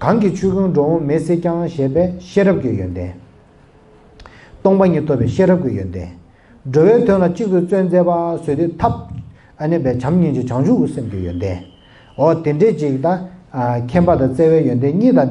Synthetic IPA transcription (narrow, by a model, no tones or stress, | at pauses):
kaŋkit͡ɕʰyːkʰyŋɖ͡ʐowomeseːcaŋɕɛːpɛːɕeːɹəp̚kijønd̪eː | t̪ɔŋpaɲiːt̪ʰopːɛːɕeːrəp̚kijønd̪ḛː | ɖ͡ʐøwɛːt̪ʰøŋlat͡ɕiʔ̚t̪ut͡sønt͡sɛːpasøːt̪et̪ʰap̚ | ʔənipɛːt͡ɕʰamɲint͡ɕit͡ɕʰaŋd͡ʑukisemkijønd̪eː | ɦɔt̪eɳɖ͡ʐeːt͡ɕikt̪akʰɛnpat̪at͡seːwɛːjønd̪eɲiːt̪a